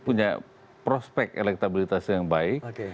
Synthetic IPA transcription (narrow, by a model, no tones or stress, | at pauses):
puɲa | pɾospɛkḛlɛk̚t̪abilit̪asjaŋbaɪk